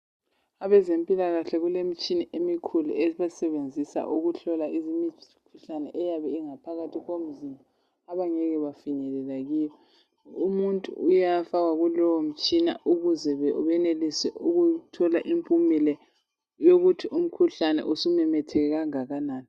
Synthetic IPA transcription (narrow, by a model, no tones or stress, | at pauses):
aβɛzempʼilaɣaɬɛɣulemit͡ʃʼiniʔemikʰulṵeβasɛβend͡zʱisa̰ʔuɣuɬɔlaizimi | kʰuɬanɛ̰ʔɛjaβɛiŋapʰaɣatʰiɣom̩zima | aβaŋɛɣɛβafiɲɛlɛlaɣiːβɛ | umuntʼṵːjafaɣaɣulɔwom̩t͡ʃʼina̰uɣuzɛβɛuβɛnelisɛ̰ʔuɣutʰɔlaʔimpʼumilɛ | joɣutʰiʔum̩kʰuɬanɛ̰ʔusumɛmɛtʰɛɣɛɣaŋaɣanaːni